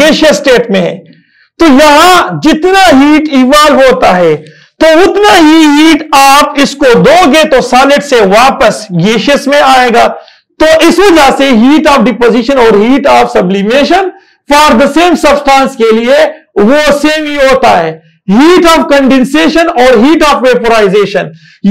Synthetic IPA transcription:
eːʃəsʈeːʈmẽɦɛ̰̃ː | t̪oːjɐɦãd͡ʒɪt̪naɦiːʈiːʋaːlɦoːt̪aɦɛː | t̪oːʊt̪naɦiɦiːʈaːpɪskod̪oːɡẽt̪osaːnɪʈseʋaːpəsɡeːʃɪsmẽaːeːɡaː | t̪oːʔɪsʋɐd͡ʒaseɦiːʈaːfɖɪpoːziʃənɔːɾɦiːʈaːfsɐblimeːʃən | faːɾd̪əseːmsɐbsʈãːnskelieʋoseːmɦiɦoːt̪aɦɛː | ɦiːʈaːfkɐ̃ɳɖẽnseːʃənɔːɾɦiːʈaːfʋeːpoɾaːɪzeːʃən

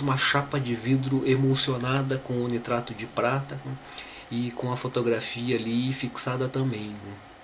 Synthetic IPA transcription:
ũmɐʃapɐd͡ʒɪvid̪ɾʊʔemosionad̪ɐkõonit̪ɾat̪ʊd͡ʒɪpɾat̪ɐ | ɪkõɐfot̪oɡɾafiɐːlifiksad̪ɐt̪ɐ̃mbẽj̃nɛ

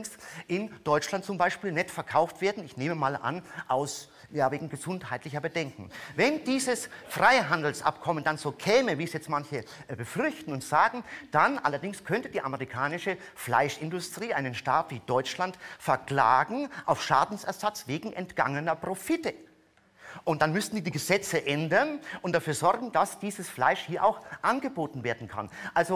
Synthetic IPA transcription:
ŋsʔɪnd̥ɔʏt͡ʃlantt͡sʊmbaɪʃpiːlnɛtfɛɐkʰaʊftv̥eːɐdn̩ɪçneːməmaːlʔa̰nʔaʊs | jaːveːɡŋ̩ɡəzʊnthaɪtlɪçɐbədɛŋkŋ̩vɛnd̥iːzəsfʁ̥aɪɦandl̩sʔa̰pkʰɔməndanzoːkʰɛːməviːɛsjɛt͡stmançəbəfʏʁçtn̩ʊntz̥aːɡŋ̩d̥anʔa̰lɐdɪŋskʰœntədiːʔaməʁikʰaːnɪʃəfla̰ɪʃɪndʊstʁ̥iːʔaɪnənʃtaːtv̥iːd̥ɔʏt͡ʃlantfɛɐkl̥a̰ːɡŋ̩ʔa̰ʊfʃaːdn̩sɛɐzat͡sveːɡŋ̩ʔɛ̰ntɡ̥a̰ŋənɐpʁ̥ofɪtə | ʔʊnt̚d̥anmʏstn̩diːdiːɡəzɛt͡səʔɛndɐnʔʊntd̥afyːɐzɔʁɡŋ̩d̥asd̥iːzəsfla̰ɪʃhiːɐʔa̰ʊxʔanɡəboːtn̩veːɐdn̩kʰa̰nʔalzo

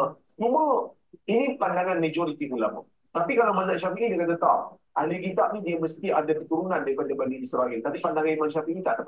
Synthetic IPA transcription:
t͡ʃuma | inipandaŋanmed͡ʒoɾit̪ipula̰mṵ | tt̪apikalawmasaʔʃ̬afiʔidikat̪at̪aʔaliɡit̪aʔnidiaməst̪iʔadakət̪uɾunandaɾipadabaliisɾaʔɪlt̪apipandaŋanimanʃ̬afiʔit̪a̰ʔdap

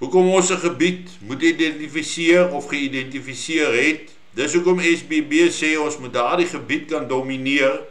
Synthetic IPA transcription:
ɦukɔmɔnsəχəbit | mutidɛntifisiərɔfχəidɛntifisiərɦɛt̚ | dəs̬uəkɔmɛsbebiəsɛːɔnsmut̚dɑːrdiχəbit̚kɐndominiər

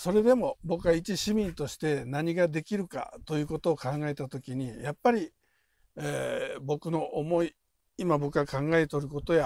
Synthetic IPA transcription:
so̞ɾe̞d̪e̞mo̞bo̞kɯ̟ait͡ɕiɕimʲĩnt̪o̞ɕi̥t̪e̞naɲ̟iɡad̪e̞kʲiɾɯ̟ka̰t̪o̞jɯ̟ːko̞t̪o̞ːkãŋɡae̞t̪at̪o̞kʲiɲ̟ijapːaɾʲi | ebo̞kɯ̟no̞ʔomo̞i | imabo̞kɯ̟βakãŋɡae̞t̪o̞ɾɯ̟ko̞t̪o̞ja

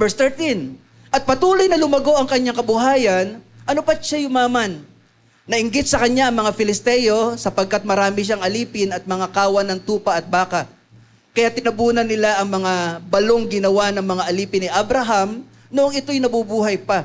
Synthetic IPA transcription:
bɛɹst̪ɛɹt̪in | ʔɐt̪̚pɐt̪uːlojnɐlʊmɐɡo̞ʔɐŋkɐɲːaŋkɐbʊɦaːjɐnʔɐnopɐt̪ʃajʊmaːmɐnː | ɐʔɪŋɡɪt̪̚sɐkɐɲjaʔɐŋmɐŋafɪlɪst̪ɛjo̞sɐpɐɡ̚kat̪̚mɐɾaːmɪʃ̬aŋʔɐliːpɪnɐt̪̚mɐŋakaːwɐnɐŋt̪uːpɐʔɐt̪̚baːkɐ | kɐjat̪ɪnɐbuːnɐnːɪlaʔɐŋmɐŋabɐlo̞ŋɡɪnɐwanɐŋmɐŋaʔɐliːpɪnɪʔabɾɐɦam | noʔoŋɪt̪o̞jnɐbubuːɦɐjpɐ

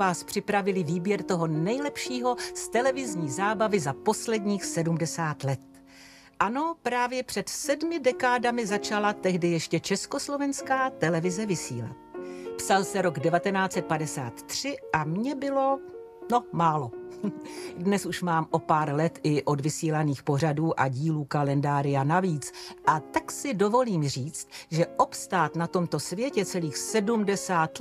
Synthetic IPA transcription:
aːspr̥ɪpɾavɪlɪviːbjɛɾt̪o̞ɦo̞nɛjlɛpʃiːɦo̞st̪ɛlɛvɪzɲiːzaːbavɪzapo̞slɛdɲiːxsɛdumdɛsaːt̪lɛt̪̚ | ʔano̞pɾaːvjɛpr̝̥ɛt̪sɛdmɪdɛkaːdamɪzat͡ʃalat̪ɛɦdɪjɛʃcɛt͡ʃɛsko̞slo̞vɛnskaːt̪ɛlɛvɪzɛvɪsḭːla̰t̪̚psalsɛɾo̞ɡdɛvat̪ɛnaːt͡sɛt̪̚padɛsa̰ːt̪ːr̝̥ɪʔamɲɛbɪlo̞ | no̞maːlo̞ | dnɛsuʃmaːmʔo̞paːɾlɛt̪ʔɪʔo̞dvɪsiːlaniːxpo̞r̝aduːʔaɟiːluːkalɛndaːɾɪjanaviːt͡sʔat̪aksɪdo̞vo̞liːmr̝iːt͡st̪̚ʒɛʔopst̪aːt̪nat̪o̞mt̪o̞svjɛcɛt͡sɛliːxsɛdumdɛsaːt̪

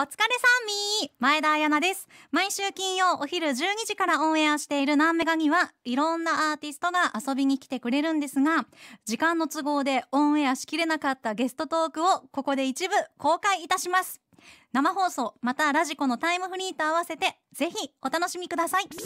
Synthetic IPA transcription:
o̞t͡sɨ̥kaɾesãmːʲimae̞d̪aːjanad̪e̞sɨ̥maiɕɨːkʲĩɰ̃jo̞ʔoçiɾɯ̟ʑɨːɲ̟iʑikaɾaõ̞ɰ̃e̞aɕi̥t̪e̞iɾɯ̟nãmːe̞ɡaɲ̟iβaiɾõ̞nːaaːt̪ʲisɨ̥t̪o̞ɡaʔaso̞bʲiɲ̟ikʲi̥t̪e̞kɯ̟ɾe̞ɾɯ̟̃nd̪e̞sɨɡad͡ʑikãnːo̞t͡sɨɡo̞ːd̪e̞õ̞ɰ̃eaɕi̥kʲiɾe̞nakat̪ːaɡe̞sɨ̥t̪o̞t̪o̞ːkɯ̟o̞ko̞ko̞d̪e̞it͡ɕibɯ̟ko̞ːkaiːt̪aɕimasɨ̥ | namaɦo̞ːso̞ːmat̪aɾaʑiko̞no̞t̪aimɯ̟ɸɯ̟ɾʲiːt̪o̞aβ̞ase̞t̪e̞ | z̥e̞çio̞t̪ano̞ɕimʲikɯ̟d̪asai

